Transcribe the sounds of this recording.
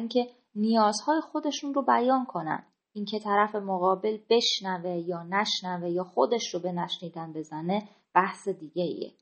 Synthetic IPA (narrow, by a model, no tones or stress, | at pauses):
iŋcʰe̞ | nijɒːzhɒːje̞xo̞d̪e̞ʃunro̞bæjɒːnkʰo̞næ̰nd̪ | ʔiːncʰe̞t̪ʰæɾæfe̞moɣɒːbe̞lbe̞ʃnæve̞jɒːnæʃnæve̞jɒːxo̞d̪e̞ʃɾobe̞næʃniːd̪ænbe̞zæne̞ | b̥æhse̞d̪iːɟeḭḛ